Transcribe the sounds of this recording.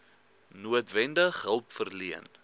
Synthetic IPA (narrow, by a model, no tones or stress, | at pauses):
nuətvɛndəχɦəlˠpfərliən